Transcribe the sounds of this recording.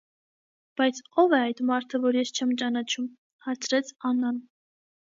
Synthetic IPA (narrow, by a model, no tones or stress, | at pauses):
b̥ɑjt͡sʰɔvɛɑjd̪mɑɾt̪ʰəvɔɾjɛst͡ʃʰɛmt͡ʃɑnɑt͡ʃʰum | hɑɾt͡sʰɾɛt͡sʰɑnɑn